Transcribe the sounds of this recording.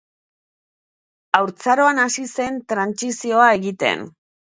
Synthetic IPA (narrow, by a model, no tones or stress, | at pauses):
awɾt͡saɾo̞anasise̞nt̪ɾansisio̞ae̞ɣit̪e̞̰n